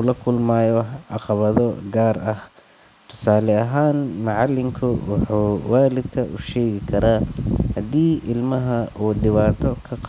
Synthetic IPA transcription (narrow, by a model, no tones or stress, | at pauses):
ʊlɐkʰʊlmaːjɔʕɑqɑβɐðɔɡaːrɐh | t̪ʰʊ̥saːlɛɐɦaːnmɐʕɑlːɪŋkʰʊwɑħuːwaːlɪd̪kʰɐʔʊʃɛːɣɪkʰɐɾaːhɐd̪iːʔɪlmɐɦɐʔuːɖɪβaːt̪ʰɔkʰɐq